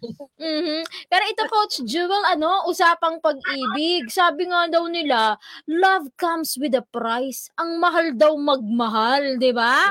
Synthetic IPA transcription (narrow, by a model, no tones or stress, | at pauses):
m̩ːh̩pɛːɾo̞ʔɪt̪okowt͡ʃd͡ʒuwɛlʔɐno̞ʔʊsaːpɐŋpɐɡ̚ʔiːbɪɡ̚saːbɪŋad̪ɐwnɪlalɐvkɐmswɪd̪ɐpɾajsʔɐŋmɐɦald̪ɐwmɐɡ̚mɐɦald̪ɪba